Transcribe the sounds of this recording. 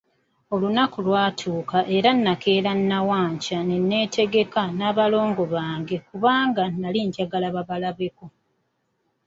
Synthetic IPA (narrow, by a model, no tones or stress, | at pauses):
o̞lunakulwaːtʰuːkaʔe̞ɾanːake̞ːɾanːawaːɲcanenːe̞ːtʰe̞ɡe̞kanaːβalo̞ːŋɡo̞βaːŋɡe̞kuβaːŋɡanaliɲɟaɡalaβaβalaβeko̞